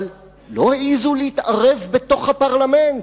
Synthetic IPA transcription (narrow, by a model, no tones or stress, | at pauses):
l | lo̞heʔizuleitʔaʁevbe̞to̞χhapaʁlament